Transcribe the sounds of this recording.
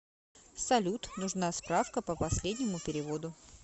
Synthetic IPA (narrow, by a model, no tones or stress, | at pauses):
sɐlʲut̪nʊʐnaspɾafkəpəpɐsʲlʲedʲnʲɪmʊpʲɪɾʲɪvo̞d̪ʊ